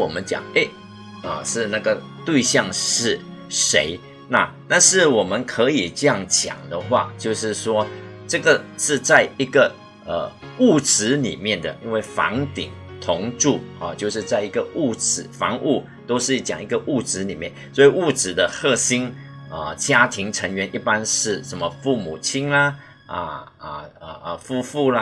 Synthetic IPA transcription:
wɔ˨˩mə˦nt͡ɕjɑ̰˨˩ŋe˥˩ɪ | ə˨˩ʂɻ̩˥˧na˥˩ɡə˩ | t̪we˥˧ɪɕjɑ˥˧ŋʂɻ̩˥˩ | ʂḛ˧˥˦ɪ | na˥˧t̪a˥˧nʂɻ̩˥˩wɔ˨˩mə˨˦nkʰɤ˧˥i˨˩ʈ͡ʂɤ˥˧jɑ˥˩ŋt͡ɕjɑ̰˨˩ŋd̪ə˦xwa̰˥˧t͡ɕjo˥˧ʊʂɻ̩˥˩ʂwɔ˥ | ʈ͡ʂɤ˥˩ɡə˩ʂɻ̩˥˧t͡sa˥˩ɪi˧˥ɡə˨ | ə˨˩u˥˩ʈ͡ʂɻ̩˧˥nḭ˨˩mjɛ˥˩nd̪ə̰˩ʔi˦˥nwe˥˩ɪfɑ̰˧˥ŋt̪ḭ˨˩ŋ | t̪ʰʊ˧˥ŋʈ͡ʂu˥˩ə˥˨t͡ɕjo˥˧ʂɻ̩˥˧t͡sa˥˩ɪi˧˥ɡə˧u˥˩t͡sɻ̩˨˩˦fɑ̰˧˥ŋʔu˥˩ | t̪o˥ʊʂɻ̩˥˩t͡ɕjɑ̰˨˩ŋi˧˥ɡə˧ʔu˥˩ʈ͡ʂɻ̩˧˥ni˨˩mjɛ̰˥˩nswɔ˧˥i˨˩u˥˩ʈ͡ʂɻ̩˨˩d̪ə˦xɤ˥˩ɕi˥nə˧t͡ɕja˥t̪ʰi˧˥ŋʈ͡ʂʰə˧˥ŋɥɛ˧˥nʔi˥˩pa˥nʂɻ̩˥˩ʂə˧˦nmə˧fu˥˩mu˨˩t͡ɕʰi˥nlɐ˧ | ə̰˧ə˩ə˧˩ʔə˧fu˥˧fu˥˧lə˧

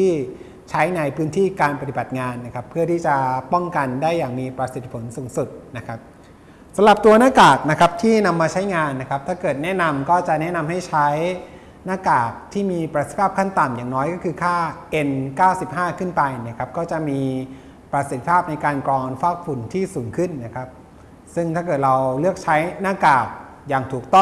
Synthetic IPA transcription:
t̪ʰiː˥˩ | t͡ɕʰa˦˥jna˧jpʰɯː˦˥nt̪ʰiː˥˩kaː˧npa˧t̪i˨˩ba˨˩t̪̚ŋaː˧nːa˦˥kʰa˦˥pʰːɯ˥˩ɐt̪ʰiː˥˩t͡ɕa˨˩pɔ˥˩ŋka˧ndaː˥˩jːaː˨˩ŋmiː˧pɾa˧t̪si˨˩t̪ʰːi̥˦˩pʰo˩˦nsuː˨˩˦ŋsu˨˩t̪̚na˦˥kʰa˦˥p̚ | sa˩˦mla˨˩p̚t̪u˧ɐnaː˥˩kaː˨˩k̚na˦˥kʰa˦˥p̚t̪ʰiː˥˩na˧mːaː˧t͡ɕʰa˦˥jŋaː˧nːa˦˥kʰa˦˥p̚t̪ʰaː˥˩kɤː˨˩t̪̚nɛ˦˥ʔna˧mkɔː˥˩t͡ɕa˨˩ʔnɛ˦˥na˧mha˥˩jt͡ɕʰa˦˥j | naː˥˩kaː˨˩k̚t̪ʰiː˥˩miː˧pɾa˧˩sst̪ʰi̥˦aː˥˩p̚kʰa˥˩nt̪a˨˩mjaː˨˩ŋnɔː˦˥jkɔː˥˩kʰɯː˧kʰaː˥˩ʔe˧nkaː˥˩wsi˨˩p̚ɦaː˥˩kʰɯ˥˩npa˧jni˥˩˨kʰa˦˥p̚kɔː˥˩t͡ɕa˨˩ʔmiː˧ | pɾa˧si˨˩t̪ʰːi̥˦˧pʰaː˥˩p̚na˧jkaː˧nkɾɔː˧nfaː˥˩k̚fu˨˩˦nt̪ʰiː˥˩suː˨˩˦ŋkʰɯ˥˩nːa˦˥kʰa˦˥p̚ | sɯ˥˩ŋt̪ʰaː˥˩kɤː˨˩t̪̚ɾa˧wlɯ˥˩ək̚t͡ɕʰa˦˥jnaː˥˩kaː˨˩k̚ | jaː˨˩ŋt̪ʰuː˨˩k̚t̪ɔ˥˩ŋ

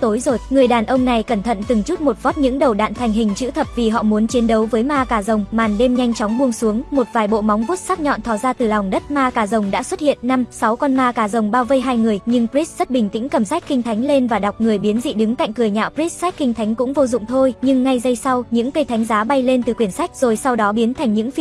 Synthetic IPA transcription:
t̪o˨˦jzo˨˩jŋɨ˨˩əjɗaː˨˩nʔə˧wŋ͡mna˨˩jkə˧˩nt̪ʰə̰˧˨nt̪ɨ˨˩ŋt͡ɕu˦˥t̚mo˨˩t̚vɔ˦˥t̚ɲɨ̰˧˥ŋɗə˨˩wɗa̰ː˧˨nt̪ʰa˨˩jŋ̟ɦï˨˩ŋ̟t͡ɕɨ̰˧˥t̪ʰə˨˩p̚vi˨˩ɦɔ̰˧˨mu˨˦ənt͡ɕi˨˦ənɗə˨˦wvəː˨˦jmaː˧kaː˧˩zə˨˩wŋ͡mmaː˨˩nɗe˧mɲa˧jŋ̟t͡ɕɔ˨˦wŋ͡mɓu˧əŋsu˨˦əŋmo˨˩t̚vaː˨˩jɓo̰˧˨ma˨˦wŋ͡mvu˦˥t̚saː˦˥k̚ɲɔ̰˧˨nt̪ʰɔ˧˩zaː˧t̪ɨ˨˩la˨˩wŋ͡mɗə˦˥t̚maː˧kaː˧˩zə˨˩wŋ͡mɗa̰ː˧˥swə˦˥t̚hḭ˧˨ənːa˧msa˨˦wkɔ˧nmaː˧kaː˨˧˩zə˨˩wŋ͡mɓaː˧wvə˧jɦaː˧jŋɨ˨˩əjɲɨ˧ŋpɹi˦˥s̚z̥ə˦˥t̚ɓï˨˩ŋ̟t̪ḭ̈˧˥ŋkə˨˧˩msa˦˥k̟̚xi˧ŋ̟t̪ʰa˨˦jŋ̟le˧nvaː˨˩ɗa˨˩wk͡p̚ŋɨ˨˩əjɓi˨˦ənzḭ˧˨ɗɨ˨˦ŋka̰˧˨jŋ̟kɨ˨˩əjɲa̰ː˧˨wpɹi˦˥s̚sa˦˥jk̚xï˧ŋt̪ʰa˨˦jŋ̟kʊ̰˧˥ŋ͡mvo˧zʊ̰˧˨ŋ͡mt̪ʰo˧jɲɨ˧ŋːa˧jzə˧jsa˧wɲɨ̰˧˥ŋkə˧jt̪ʰa˨˦jŋ̟zaː˨˦ɓa˧jle˧nt̪ɨ˨˩kwi˧˩ənsa˦˥k̟̚z̥o˨˩jsa˧wɗɔ˨˦ɓi˨˦ənt̪ʰa˨˩jŋ̟ɲɨ̰˧˥ŋ˧

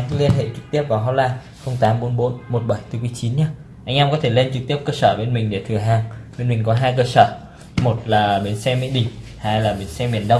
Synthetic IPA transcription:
li˧ənɦḛ˧˨t͡ɕɨ˨˩k̚t̪i˦˥əp̚vaː˨˩wɦɔ˧˥laː˧ | xə˧wŋ͡mt̪aː˨˦mɓo˨˦nɓo˨˦nmo˨˩t̚ɓa˧˩jt̪ɨ˨˧˩ku˨˦jt͡ɕi˨˦nɲa˧ | ʔa˧jŋ̟ʔɛ˧mkɔ˨˦t̪ʰe˧˩le˧nt͡ɕɨ˨˩k̚t̪i˦˥əp̚kəː˧səː˧˩ɓe˧nmï˨˩ŋ̟ɗe˧˩t̪ʰɨ˨˩əɦaː˨˩ŋɓe˧nmï˨˩ŋ̟kɔ˨˦ɦaː˧jkəː˧səː˧˩ | mo˨˩t̚laː˨˩ɓe˨˦nsɛ˧mḭ˧˥ɗḭ˧˩ŋ | haː˧jlaː˨˩ɓe˨˦nsɛ˧ɓḭ˨˧˩ənɗə˧wŋ͡m

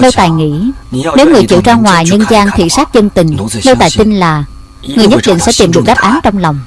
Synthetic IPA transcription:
nə˧wt̪aː˨˩jŋḭ˧˥ne˨˦wŋɨ˨˩əjt͡ɕḭ˧˨wt͡ɕaː˧ŋŋwaː˨˩jɲə˧nzaː˧nt̪ʰḭ˧˨saː˦˥t̚zə˧ŋt̪ï˨˩ŋ̟nə˧wt̪a̰ː˧˨jt̪i˧ŋlaː˨˩ | ŋɨ˨˩jɲə˦˥t̚ɗḭ˧˨ŋ̟sɛ̰˧˥t̪i˨˩mɗɨ˨˩ək̚ɗa˦˥p̚ʔaː˨˦nt͡ɕɔ˧wŋ͡mlɔ˨˩wŋ͡m

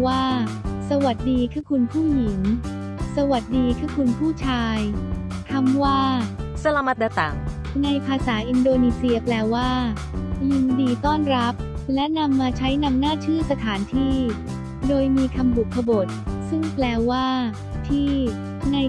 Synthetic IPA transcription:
waː˥˩sa˧wa˨˩t̪̚diː˧kʰaː˥˩kʰu˧npʰuː˥˩ji˨˩˦ŋ | sa˧wa˨˩t̪̚diː˧kʰaː˥˩kʰu˧npʰuː˥˩t͡ɕʰaː˧j | k̪ʰa˦˥mwaː˥˩sa˧la˧ma˦t̪̚da˧t̪a̰˨˩ŋ | na˧jpʰaː˧saː˩˦ʔi˧ndoː˧niː˧si˧ɐplɛː˧waː˥˩ | li˧mdiː˧t̪ɔː˥˩nɾa˦˥p̚lɛ˦˥na˧mːaː˧t͡ɕʰa˦˥jna˧mnaː˥˩t͡ɕʰɯː˥˩sa˧t̪ʰaː˩˦nt̪ʰiː˥˩ | doː˧jmiː˧kʰa˧mbu˨˩kʰːa˧bo˨˩t̪̚sɯ˥˩ŋplɛː˧waː˥˩ | t̪ʰiː˥˩ | na˧j

